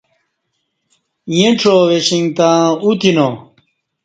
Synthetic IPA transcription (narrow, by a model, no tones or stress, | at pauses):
jẽʈ͡ʂʰoweɕiŋt̪ãːut̪ino